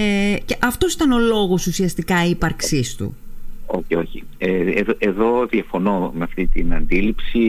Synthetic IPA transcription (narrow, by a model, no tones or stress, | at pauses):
eceʔɐft̪o̞sit̪ɐno̞lo̞ɣo̞susiɐst̪ikɐipɐɾksist̪ṵo̞̰çio̞çḭ | eðoʔeðo̞ðiɐfo̞nomeɐft̪it̪inɐnd̪ilipsi